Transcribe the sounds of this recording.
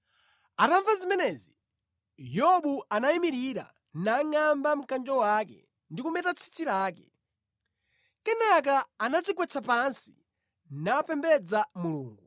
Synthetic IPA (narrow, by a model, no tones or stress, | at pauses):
ataɱvazimɛnɛzi | jɔɓuanaimiɾiɾa̰ | naŋambam̩kand͡ʒɔwakɛ̰ | ndikumɛtat͡sʰi̥t͡sʰiɾaːkɛ | kɛnak̬aːnad͡zikwɛt͡sʰapansi̥ | napɛmbɛd͡zamulṵːŋɡu